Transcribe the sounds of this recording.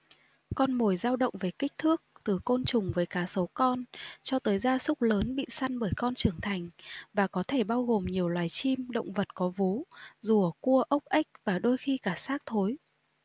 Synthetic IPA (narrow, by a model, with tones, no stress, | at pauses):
kɔ˧nmo˨˩jzaː˧wɗə̰˧˨wŋ͡mve˨˩kï˦˥k̟̚t̪ʰɨ˦˥ək̚t̪ɨ˨˩ko˧nt͡ɕʊ˨˩ŋ͡mvəː˨˦jkaː˧˩so˨˦kɔ˧nt͡ɕɔ˧t̪əː˨˦jzaː˧sʊ˦˥k͡p̚ləː˨˦nɓḭ˧˨sa˧ŋɓəː˧˩jkɔ˧nt͡ɕɨ˨˩əŋt̪ʰa˨˩jŋ̟vaː˨˩kɔ˨˦t̪ʰe˧˩ɓaː˧wɣo˨˩mɲi˨˩əwlwaː˨˩jt͡ɕi˧mɗə̰˧˨wŋ͡mvə˨˩t̚kɔ˨˦vo˨˦zu˧˩əku˧əʔə˦˥wk͡p̚ʔa˦˥jk̟̚vaː˨˩ɗo˧jxi˧kaː˧˩saː˦˥k̚t̪ʰo˨˦j